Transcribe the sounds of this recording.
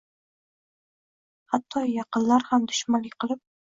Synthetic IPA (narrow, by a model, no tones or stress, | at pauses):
hat̪ʰːɒjɑqɨnlaɾhamd̪ʊʃmanlɪqʰɨlˠɪp̚